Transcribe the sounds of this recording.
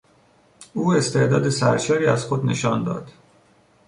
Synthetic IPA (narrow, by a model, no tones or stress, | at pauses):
uːe̞st̪e̞ʔd̪ɒːd̪esæ̰ɾʃɒːɾiːæzxod̪ne̞̰ʃɒːnd̪ɒ̰ːd̪̥